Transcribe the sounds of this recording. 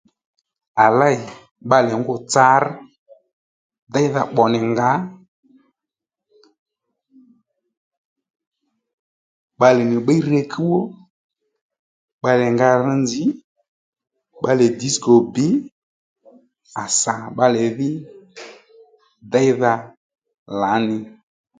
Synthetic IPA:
a˨la˦ɪ˨ | ɓa˧lɛ˨ŋɡʊ˦t͡sa˧˦ɾ | da˦jða˧ɓɔ˨nɪ˨ŋɡa˨˦ | ɓa˧lɛ˨nɪ˨ɓa˦i˦ɾɛ˧kʰi˦wɔ˦ | ɓa˧lɛ˨ŋɡa˧ɾ̩˧˦nd͡zɪ˨˦ | ɓa˦lɛ˨di˨˦skɔ˨bɪ˨˦ | a˨sa˨ɓa˧lɛ˨ðɪ˦ | dɛ˦jða˧ | la˨˦nɪ˨

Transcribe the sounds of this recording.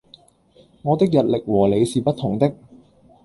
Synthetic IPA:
ŋɔː˨˧t̪ɪ˥k̚jɐ˨t̚lɪ˨k̚wɔː˨˩le˨˧jsiː˨pɐ˥t̪̚ʰːʊ˨˩ŋt̪ɪ˥k̚

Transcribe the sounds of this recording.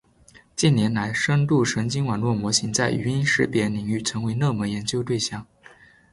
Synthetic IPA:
t͡ɕi˥˩njɛ˧˥nla˧˥ɪʂɤ˥nt̪u˥˩ʂɤ˧˥ŋt͡ɕi˥ŋwɑ˨˩nlwɔ˥˩mwɔ˧˥ɕi˧˥ŋt͡sa˥˩ɪʔy̰˧˥i˥nʂɻ̩˧˥pjɛ˧˥li˨˩ŋy˥˩ʈ͡ʂʰɤ˧˥ŋwe˧˥ɪnɤ˥˩mɤ˧˥jɛ˧˥nt͡ɕjo˥ʊt̪we˥˧ɪɕjɑ˥˩ŋ

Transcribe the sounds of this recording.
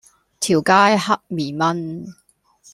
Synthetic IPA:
t̪ʰiː˨˩wkaː˥jhɐ˥k̚miː˨˩mɐ˥n

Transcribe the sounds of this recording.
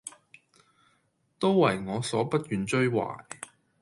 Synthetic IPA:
t̪o˥wwɐ˨˩jŋɔː˨˧sɔː˨˥pɐ˥t̚jyː˨nt͡ʃɵ˥ɥwa̰ː˨˩j

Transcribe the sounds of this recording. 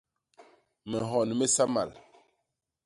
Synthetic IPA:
mɛ˨ɦɔ˨n˨me˦sa˦ma̰˨l

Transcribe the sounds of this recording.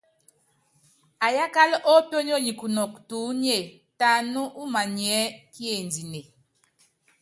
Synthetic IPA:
a˨ja˦ka˦lʔɔ˦pjɔ˦ɲ˦ɔ˦ɲi˨ku˨nɔ˨k̚tu˨˦ni˦e˨ | ta˨nu˦ʔu˦ma˨ɲi˨ɛ˨˦kje˨ndi˨ne˨

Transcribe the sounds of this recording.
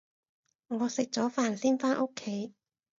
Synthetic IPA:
ŋɔː˨˧sɪ˨k̚t͡sɔː˨˥faː˨˩nsiː˥nfaː˥nʔo˥kʰːe˨˥j

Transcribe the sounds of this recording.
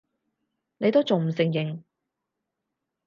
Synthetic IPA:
ne˨˧jt̪o˥wt͡so˨ŋm̩˨˩sɪ˨ŋjɪ˨˩ŋ

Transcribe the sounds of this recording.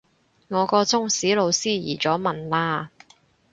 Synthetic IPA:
ŋɔː˨˧kɔː˧t͡sʊ˥ŋsiː˨˥lo˨˧wsiː˥jḭː˨˩t͡sɔː˨˥mɐ˨nlaː˧

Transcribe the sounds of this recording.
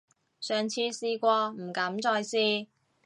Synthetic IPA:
sœː˨ŋt͡sʰiː˧siː˧kʷɔː˧m̩˨˩kɐ˨˥mt͡ʃɔː˧jsiː˧

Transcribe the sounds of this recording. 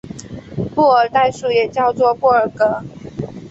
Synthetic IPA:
pu˥˩ə˨˩t̪a˥˧ɪʂu˥˩jɛ˨˩t͡ɕjɑ˥˧ʊt͡swɔ˥˧pu˥˩ə˨˩kə˧˥˦

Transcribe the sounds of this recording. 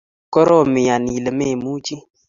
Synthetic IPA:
kɔ˦ɾɔ˦˨mɪ˨ja˨ni˨lə˨me˦˨mu˦t͡ʃi˦

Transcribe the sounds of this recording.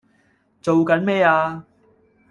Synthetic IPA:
t͡so˨wkɐ˨˥nmɛː˥aː˧

